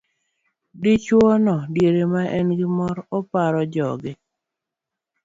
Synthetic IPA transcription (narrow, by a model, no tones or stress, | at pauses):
dit͡ʃwɔnɔdjeɾemaʔɛnɡɪmɔɾɔpaɾɔd͡ʒɔɡɪ